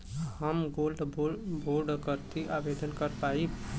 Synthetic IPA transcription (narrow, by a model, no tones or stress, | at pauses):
həmɡolɖbboɾɖkəɾt̪iʔabed̪ənkəɾpai